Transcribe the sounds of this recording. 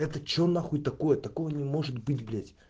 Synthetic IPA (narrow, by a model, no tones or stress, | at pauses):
ɛt̪ət͡ɕonaxut̪ɐko̞jət̪ɐko̞jənʲɪmo̞ʐɨt̪bɨtʲblʲetʲ